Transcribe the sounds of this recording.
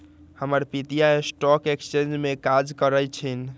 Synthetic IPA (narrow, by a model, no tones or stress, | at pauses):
həməɾpit̪ijaesʈɔkekst͡ʃend͡ʒmekad͡ʒkəɾət͡ʃʰin